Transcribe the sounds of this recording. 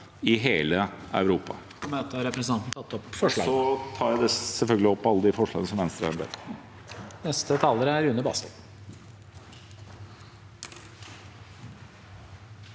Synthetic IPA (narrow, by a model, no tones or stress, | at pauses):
ɪɦeːləæ̰ʉɾuːpɑ̰ | mɛɛt̪ːəɑɾɛpɾəsn̩ɑnt̪n̩t̪ʰɑt̪ːɔpfɔʂɭɑ̰ːɡsɔt̪ʰɑːɾæd̪ɛsɛlfœlɡəlɪɔpːɑlːəd̪ɪfɔʂɭɑ̰ːɡənəsɔmʋɛnst̪ɾəæ̰ɾbḛː | nɛst̪ət̪ʰɑːləɾəæɾʉnəbɑ̰ːst̪ɪt̪